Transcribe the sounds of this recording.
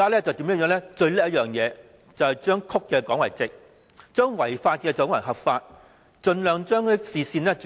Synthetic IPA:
aː˥lɛː˥t͡sɐ˨wt̪iː˨˥mjɐ˥jœː˨˥nlɛ˥t͡ʃɵ˧ɥlɛ˥jɐ˥jœː˨ŋjɛː˨˧ | t͡sɐ˨whɐ˨jt͡ʃœː˥ŋkʰʊ˥kːɛː˧kɔː˨˥ŋwɐ˨˩jt͡sɪ˨k̚ | t͡ʃœː˥ŋwɐ˨˩jfaː˧t̚kɛː˧t͡sɔ˨˥ŋwɐ˨˩ɦɐ˨p̚faː˧t̚ | t͡ʃɵ˧nlœː˨ŋt͡ʃœː˥ŋ˨˥siː˨siː˧nlɛː˥t͡s

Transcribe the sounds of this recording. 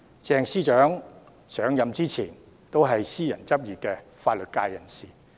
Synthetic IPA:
t͡sɛː˧ŋsiː˥t͡ʃœː˨˥ŋ | sœː˨˥ŋjɐ˨mt͡siː˥t͡sʰiː˨˩n | t̪o˥wɦɐ˨jsiː˥jɐ˨˩nt͡sɐ˥p̚jiː˨t̚kɛ˧faː˧t̚lɵ˨t̚kaː˧jjɐ˨˩nsiː˨˩

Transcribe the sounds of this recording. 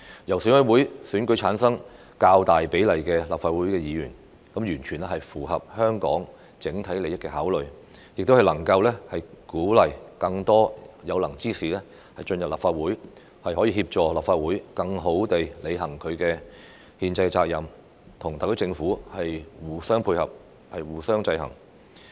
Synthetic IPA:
jɐ˨˩wsyː˨˥nwɐ˨˥jwuː˨˥jsyː˨˥nkɵ˨˥jt͡sʰaː˨˥nsɐ˥ŋ | kaː˧wt̪aː˨jpe˨˥jlɐ˨jkɛː˧la̰ː˨p̚faː˧t̚wuː˨˥jkɛː˧jiː˨˧jy̰ː˨˩n | kɐ˨˥mjyː˨˩nt͡ʃʰyː˨˩nɛ˥hɐ˨jfuː˨˩ɦɐ˨p̚hœː˥ŋkɔ̰ː˨˥ŋ | t͡sɪ˨˥ŋt̪ʰɐ˨˥jle˨jɐ˥t̚kɛː˧haː˨˥wlɵ˨ɥ | jɪ˨k̚t̪o˥whɐ˨jlɐ˨˩ŋkɐ˧wlɛː˥hɐ˨jkuː˨˥lɐ˨˩jkɐ˧ŋt̪ɔː˥jɐ˨˧wlɐ˨˩ŋt͡siː˥siː˨lɛː˥ | hɐ˨jt͡ʃɵ˧njɐ˨p̚laː˨pfaː˧t̚wuː˨˥j | hɐ˨jhɔ˨˥jiː˧hiː˧p̚t͡ʃɔː˨˩laː˨p̚faː˧t̚wuː˨˥jkɐ˧ŋɦo˨˥wt̪e˨jle˨˧jɦɐ˨˩ŋkʰɵ˨˧ɥkɛː˧ | hiː˧nt͡sɐ˧jt͡saː˧k̚jɐ˨˩m | t̪ʰʊ˨˩ŋt̪aː˨kt̪o˥t͡sɪ˧ŋfuː˨˥hɐ˨jwuː˨sœː˥ŋpʰuː˧jhɐ˨p̚ | hɐ˨jwuː˨sœː˥ŋt͡sɐ˧jɦɐ̰˨˩ŋ

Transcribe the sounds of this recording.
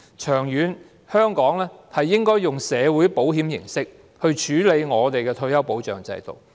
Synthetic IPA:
t͡ʃʰœː˨˩ŋjyː˨˧n | hœː˥ŋkɔː˨˥ŋlɛː˥hɐ˨jːɪ˥ŋkɔː˥jːʊ˨˩ŋsɛː˨˧wuː˨˥jpo˨˥wɦiː˨˥mjɪ̰˨˩ŋsɪ˥k̚ | hɵ˧ɥt͡ʃʰyː˨˥le˨˧jŋɔː˨˧t̪e˨jkɛː˧t̪ʰɵ˧ɥjɐ˥wpo˨˥wt͡ʃœ̰ː˨ŋt͡sɐ̰˧jt̪o̰˨w

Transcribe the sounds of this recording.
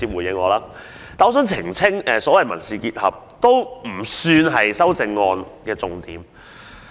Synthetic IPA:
iː˧p̚wuː˨˩jɪ˨˧ŋɔː˨˧laː˥ | t̪aː˨ɔ˨˧˥sœː˨˥ŋt͡sʰɪ˨˩ŋt͡sʰɪ˥ŋɛː˨sɔː˨˥wɐ˨jmɐ˨˩nsiː˨˧kiː˧t̚hɐ̰˨p̚ | t̪o˥wm̩˨˩syː˧nɦɐ˨jsɐ˥wt͡sɪ˧ŋːɔː˧nkɛː˧t͡sʊ˧ŋt̪iː˨˧m

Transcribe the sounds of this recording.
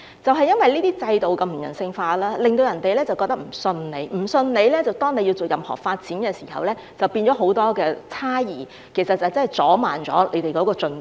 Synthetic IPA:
t͡sɐ˨wɦɐ˨jːɐ˥nwɐ˨jliː˥t̪iː˥t͡sɐ˧jt̪o˨wkɐ˧m̩˨˩jɐ̰˨˩nsɪ˧ŋfaː˧laː˥lɪ˨ŋt̪o˧wjɐ˨˩nt̪e˨jlɛː˥t͡sɐ˨wkɔː˧k̚t̪ɐ˥k̚m̩˨˩sɵ˧nne˨˧jm̩˨˩sɵ˧nne˨˧jlɛː˥t͡sɐ˨wt̪ɔː˥ŋne˧ji˧wt͡so˨kjɐ˨˩mhɔ̰ː˨˩k̚faː˧t̚t͡siː˨˥nkɛː˧siː˨˩hɐ̰˨wlɛː˥ | t͡sɐ˨˩wpiː˧nt͡ʃɔː˨˥ɦo˨˥wt̪ɔː˥kɛː˧t͡sʰaː˥jiː˨˩ | kʰe˨˩jsɐ˨t̚t͡sɐ˨wt͡sɐ˥hɐ˨˩jt͡sɔː˨˥ma̰ː˨nt͡sɔ̰ː˨˥le˨˧jt̪e˨jkɔː˨˥kɔː˧t͡sɵ˧n

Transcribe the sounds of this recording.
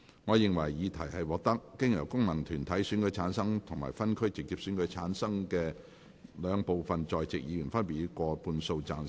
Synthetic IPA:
ŋɔː˨˧jɪ˨ŋwɐ˨˩jːiː˨˧t̪ʰɐ˨˩jhɐ˨jwɔː˨˧k̚t̪ɐ˥k̚ːɪ˥ŋjɐ˨˩wkʊ˥ŋmɐ˨˩nt̪ʰyː˨˩nt̪ʰɐ˨˥jsyː˨˥nkɵ˨˥jt͡sʰaː˨˥nsɐ˥ŋt̪ʰʊ˨˩ŋma̰ː˨˩jfɐ˥nkʰɵ˥ɥt͡sɪ˨k̚jiː˨˧p̚sy˨˥nkɵ˨˥t͡sʰaː˨˥nsɐ˥ŋkɛː˧ | lœː˨˧ŋpo˨wfɐ˨nt͡sɔː˨jt͡sɪ˨k̚jiː˨˧jyː˨˩nfɐ˥npi˨˧kɔː˧puː˧nso˧wt͡saː˨˧n

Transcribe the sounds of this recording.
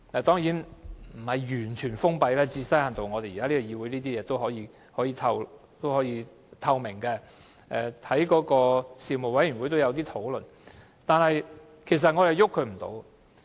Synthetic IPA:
ɛː˨˩t̪ɔː˥ŋjiː˨˥nm̩˨˩hɐ˨jjyː˨˩nt͡ʃʰyː˨˩nfʊ˥ŋpɐ˨˧jlɛː˥t͡siː˧sɐ˥jhaː˨nt̪o˨wŋɔː˨˧e˨jiː˨˩kaː˥li˥ɔ˧jiː˧wu˨˥jniː˥t̪iː˥jɛː˨˧t̪o˥whɔː˨˥jiː˧ | hɔː˨˥jiː˨˧t̪ʰɐ˧w | t̪o˥whɔː˨˥jiː˨˧ | t̪ʰɐ˧wmɪ˨˩ŋkɛː˧ | ʔɛ˨˧t̪ʰɐ˨˥jkɔː˨˥kɔː˧siː˨˩mo˨˩wɐ˨˥jy˨˩nwu˨˥jt̪̬o˥wjɐ˨˧wt̪iː˥t̪ʰo˨˥wlɵ˨n | t̪aː˨nhɐ˨j | kʰe˨˩js̬ɐ˨t̚ŋɔː˨˧ɾe˨˩jʊ˥kʰɵ˨˧ɥm̩˨˩t̪o̰˨˥w

